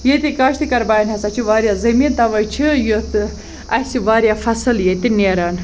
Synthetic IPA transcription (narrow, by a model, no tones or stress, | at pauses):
jet̪ikaʃt̪ʰikɐɾbaːjnʲɦɐsat͡ʃʰiʋaːɾjazɐmint̪ɐʋɐt͡ʃʰijot̪ | ɐsiʋaːɾjafɐsɨljet̪ineːɾaːn